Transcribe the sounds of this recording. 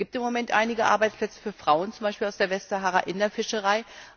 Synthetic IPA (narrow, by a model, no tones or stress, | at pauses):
ɡ̥iːp̚tɪmːomɛntʔa̰ɪnɪɡəʔa̰ɐbaɪt͡splɛt͡sə̥fyːɐfʁ̥aʊənt͡sʊmbaɪʃpiːlaʊsd̥eːɐvɛstaɦaːʁaʔɪnɐfɪʃəʁaɪ